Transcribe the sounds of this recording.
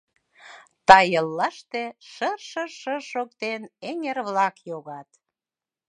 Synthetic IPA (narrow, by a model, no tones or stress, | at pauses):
t̪ɑjəlːɑʃt̪eʃərʃəʃəʃok̚t̪eneŋerβlɑkjoɣɑt̪